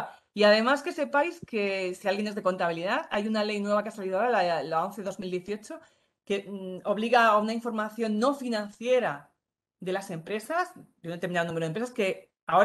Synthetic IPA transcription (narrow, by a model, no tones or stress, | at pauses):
iaðe̞maske̞se̞pajske̞sialɣje̞nezðe̞ko̞nt̪aβ̞iliðaðajunale̞jnwe̞βakeasaliðaoɾalalaonθe̞ðo̞zmild̪je̞θio̞t͡ʃo̞ | ke̞o̞β̞liɣaːunaiɱfo̞ɾmaθjo̞nːo̞finãnθje̞ɾa | ðe̞lase̞mpɾe̞sasd̪eunt̪eminaðonumɾoempɾesaske̞ | ao